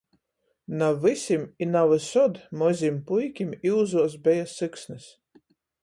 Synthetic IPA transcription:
navɨsʲiminavɨsɔd̪mɔzʲimpujkʲimiwzuɔs̬bʲɛjasɨksnɨs

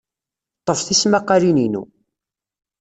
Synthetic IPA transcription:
t̪ˤːəfθismaqːɑlininṵ

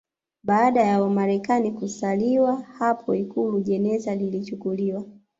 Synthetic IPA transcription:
ɓaːɗajawamaɾɛkanikusaliwahapʰɔikuluʄɛnɛzalilit͡ʃukuliwa

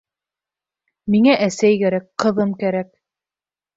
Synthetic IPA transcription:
miŋæʔæsæjkæɾækqɤ̆ðɤmkæɾæk

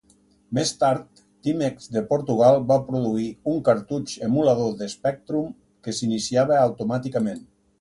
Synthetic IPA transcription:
mest̪aɾt̪ːimekzd̪epoɾt̪uɣ̞alˠbapɾuðuiuŋkəɾt̪ut͡ʃemulaðoðespɛk̚t̪ɾum | kesinisiaβəawt̪umat̪ikəmẽn

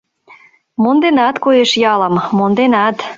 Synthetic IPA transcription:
mond̪enɑt̪kojeʃjɑləmmond̪enɑt̪

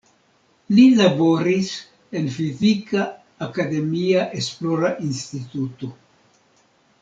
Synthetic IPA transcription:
lilabo̞ɾis | e̞nfizikaː | kad̪e̞miaʔe̞splo̞ɾaʔinst̪it̪uto̞

